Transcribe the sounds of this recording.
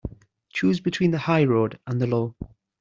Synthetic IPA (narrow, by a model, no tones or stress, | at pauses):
t͡ʃʰuːzbɪtʰw̥ĩːnðəhaɪɹoːdə̃nðəlɔː